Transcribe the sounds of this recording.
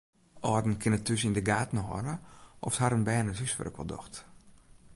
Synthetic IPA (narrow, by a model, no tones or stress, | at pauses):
ʔɔːrdn̩kʰɪnətʰːysindəɡaːtn̩ɦɔ̰nəʔɔfshaɾənbɛːnəzysʋɛ̰rkʋɔ̰lˠdɔ̰xt